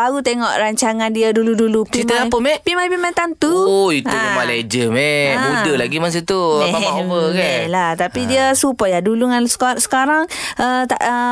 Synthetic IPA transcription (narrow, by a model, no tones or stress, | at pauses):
aɾut̪eŋɔ̰ʔɾaɲt͡ʃaŋandiaduludulukimt̪aapəmeʔpimapimat̪ant̪uoitumaled͡ʒəmebudəlaɡimas̬ət̪uaeabəkalat̪apidiəsupajaduluŋansə̥ksə̥kaɾaŋʔət̪a̰ʔə